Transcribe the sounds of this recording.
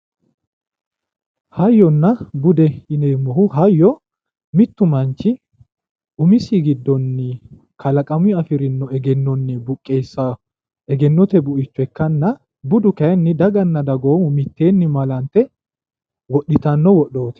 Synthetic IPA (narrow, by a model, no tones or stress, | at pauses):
hɐjːɔnːɐbʊd̪ɛɪneːmːɔhʊɦɐjːɔ | mɪt̪ːʊmɐnt͡ʃːɪ | ʔʊmɪsiɡɪd̪ːɔnːɪ | kɐlɐkʼɐmʊɪɐfɪɾɪnːɔɛɡɛnːɔnːɛbʊkʼːeːsːɐ | ɛɡɛnːɔt̪ɛbʊʔɪt͡ʃːʊɛkːɐnːɐ | bʊd̪ʊkɐɛnːɪd̪ɐɡɐnːɐd̪ɐɡo̞ːmʊmɪt̪ːe̞ːnːɪmɐlɐnt̪ːɛ | wɔɗɪt̪ɐnːɔwɔɗo̞ːt̪ɛ̥